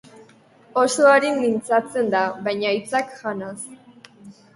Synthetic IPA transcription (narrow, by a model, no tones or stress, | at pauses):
o̞so̞aɾimint͡sat͡se̞nd̪aβajɲajt͡sakʝanas